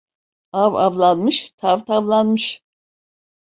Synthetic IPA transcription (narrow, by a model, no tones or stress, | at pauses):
ava̰vlˠanmɯʃt̪ʰavt̪ʰavlˠanmɯʃ